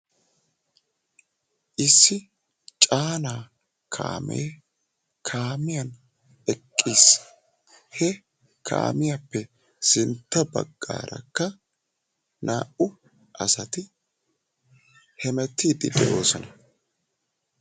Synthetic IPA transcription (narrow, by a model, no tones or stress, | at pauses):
ʔɪsːɪ | t͡ʃʼaːnaː | kʰa̰ːmeː | kʰaːmɪjɐn | ɛkʼːiːs | hɛ | kʰa̰ːmɪjapːɛ | sɪnt̪ːɐbɐ̰ɡːa̰ːɾɐ̰kːɐ | naːʔʊ | ʔɐsɐt̪ɪ | hɛmɛt̪ːiːd̪ɪd̪ɛʔo̞ːsɔnɐ